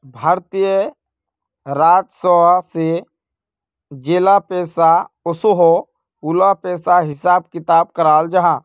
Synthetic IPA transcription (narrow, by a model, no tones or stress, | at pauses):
bʱaːɾt̪ijə | ɾaːd͡ʒsəase | d͡ʒeːlapeːsaʊsoɦo | puːlapeːsaɦɪsaːb̚kɪt̪aːb̚kəɾaːld͡ʒaɦãː